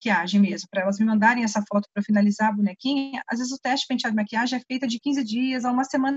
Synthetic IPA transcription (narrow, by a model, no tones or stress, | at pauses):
kiaʒẽj̃mezmʊpɾɐɛlɐzmɪmɐ̃nd̪aɾẽj̃ɛsɐfɔt̪ʊ̥pɾɐfinalizabunɛkĩɲɐʔazvezɪzʊt̪ɛst͡ʃɪ̥pẽsad̪ʊmiakiaʒẽj̃ɛfejt̪ɐd͡ʒɪkĩzɪd͡ʒiɐzaũmɐsemɐ̃nɐ